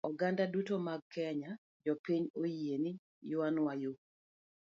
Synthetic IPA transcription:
ɔɡandadutomaɡ̚kɛɲa | d͡ʒɔpiɲojieni | jʊwanwajo

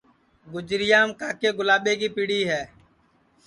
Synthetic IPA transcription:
ɡʊd͡ʒɾɪjaːmkaːkeːɡʊlaːɓeːkiːpiːɽiːɦɛː

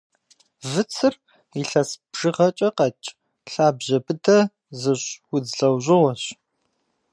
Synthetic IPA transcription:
vɨt͡sʰɨr | iɬɐsb̥ʒ̥ɨʁɐt͡ʃʼɐqɐt͡ʃʼ | ɬaːbʑɐbɨdʰɐ | zɨɕwʊd͡zɮɐwʑɪʁɔɕ

